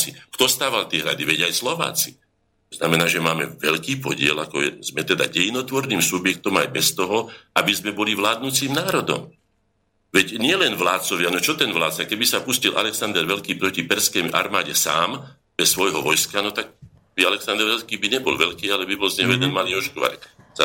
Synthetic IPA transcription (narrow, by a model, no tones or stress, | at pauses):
t͡sikt̪ɔst̪aːʋalt̪ɪɛɦɾa̰d̪iʋɛɟajslɔʋa̰ːt͡si̥̰ | t̪ɔznamɛnaːʒɛmaːmɛ̰ʋɛʎkiːpɔ̰ɟɪɛ̰lakɔɛ̰z̥mɛt̪ɛd̪a̰ɟɛjnɔt̪ʋɔɾniːmsubjɛk̚t̪ɔma̰jbɛst̪ɔɦɔabizmɛbɔliʋlaːd̪̚nut͡siːmnaːɾɔd̪ɔ̰m | ʋɛcɲɪɛlɛnʋlaːt̪t͡sɔʋɪanɔt͡ʃɔt̪ɛnʋlaːt̪t͡sakɛbisapuscilʔa̰lɛksand̪ɛɾʋɛʎkiːpɾɔcipɛɾskɛjʔa̰ɾmaːɟɛsa̰ːm | b̥ɛsːʋɔjɦɔʋɔjskanɔt̪aɡ̚ | bialɛksand̪ɛɾʋɛlskiːbiɲɛbɔ̰lʋɛʎkiːalɛbibɔlzɲɛɦɔjɛd̪ɛnmaliːɔʃkɔʋa̰ɾɛ̰ksa